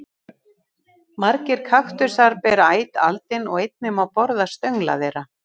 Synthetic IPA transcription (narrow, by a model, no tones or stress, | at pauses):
maɾcɪɾ̥kʰaxt̪ʏɾ̥saɾpɛɾaːjt̪a̰lt̪ɪnɔɣejt̪̚nɪmawpɔɾðast̪œɥŋla̰ðeɾa